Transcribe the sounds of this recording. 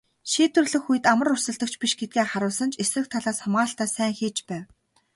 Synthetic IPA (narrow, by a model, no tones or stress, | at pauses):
ʃiːt̪ɵ̆rɮɘ̆xujɘ̆t̪amə̆rʊrsə̆ɮt̪ə̆k̚t͡ɕʰpiʃɡet̪̚ɡeːχaɾʊːsə̆nt͡ɕʰesrɘ̆k̚t̪ʰaɮaːsχʊmʁaːɬt̪aːsæːŋxiːt͡ɕpæːw